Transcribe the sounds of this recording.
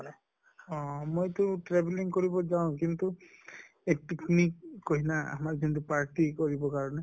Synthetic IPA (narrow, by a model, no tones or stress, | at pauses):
ɔ̃mojtʊʈɹebliŋkoɹibɔzaʊ̃k̬int̪u | epiknikːoɦinaa̰maɹkintʊpaɹʈikoɹibɔkaɹɔne